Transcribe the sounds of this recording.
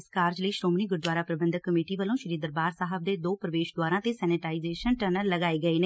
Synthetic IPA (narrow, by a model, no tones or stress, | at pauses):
skaːɾd͡ʒləiːʃɾoːmniːɡʊɾd̪waːɾaːpɾəbə̃nd̪əkːəmeːʈiːʋəlõːʃəɾiːd̪əɾbaːɾsaːɦəb̚d̪eːd̪oːpɾəʋeːʃd̪waːɾãːt̪eːsɛːnɪʈaːizeːʃənʈɛːnəɾləɡaːeːɡəeːneː